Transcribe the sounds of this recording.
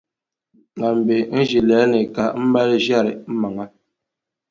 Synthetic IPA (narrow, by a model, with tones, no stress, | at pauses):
ŋa˨m̩˨be˨n̩˦d͡ʒi˨lɛː˨˦ne˨ka˦m̩˦ba˦ɾi˦ʒja˦˨ɾɛ˨m̩˦ma˨ŋa˦